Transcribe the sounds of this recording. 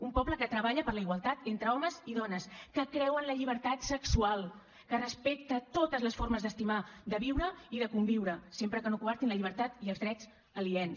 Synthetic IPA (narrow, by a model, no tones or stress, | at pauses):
umpɔbləkət̪ɾəβaʎəpəɾləiɣwalˠt̪at̪ent̪ɾəɔməziðɔnəskəkɾɛwənləʎiβ̞əɾt̪at̪səksualˠ | kərəspek̚t̪ət̪ot̪əzləsfoɾməzðəst̪imad̪əβiwɾəiðəkumbiwɾəsempɾəkənokuβaɾt̪inləʎiβəɾt̪at̪iəlˠzðɾɛz | əliɛn